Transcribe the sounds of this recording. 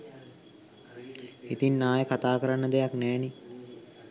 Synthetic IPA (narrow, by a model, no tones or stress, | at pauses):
it̪inːaːjəkat̪aːkəɾanːəd̪ejaknɛːni